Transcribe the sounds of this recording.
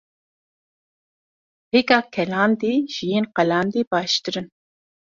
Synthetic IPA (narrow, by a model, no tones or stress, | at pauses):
bikɑːkʰɛlɑːnd̪iːʒ̥ijinqɛlɑːnd̪ibɑːʃt̪ɨɾɨn